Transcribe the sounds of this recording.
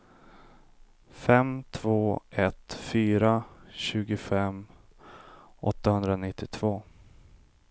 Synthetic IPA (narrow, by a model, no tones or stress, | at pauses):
fɛmt̪ʰv̥oːʔɛt̪fyːɾaɕʉ̟ːɡʊfɛm | ɔ̰t̪ːahɵnd̪ɾanɪt̪ːɪt̪ʰv̥oː